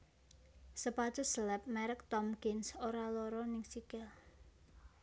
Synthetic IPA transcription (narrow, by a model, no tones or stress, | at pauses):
səpḁt͡ʃɔsəlɛp̚mɛɾək̚t̪ɔmkɪnsoɾaloɾɔnɪŋsikɪl